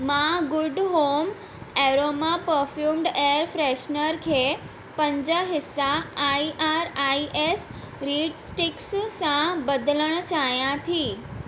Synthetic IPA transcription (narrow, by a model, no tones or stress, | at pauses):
mãɡʊɖɦom | eɾomapəɾfjuːmɖeəɾfɾeʃnəɾkʰe | pə̃ɲd͡ʑəɦɪsaaiʔaɾaiʔes | ɾiːɖsʈɪkssãbəd̪ləɽ̃t͡ɕajãt̪ʰĩ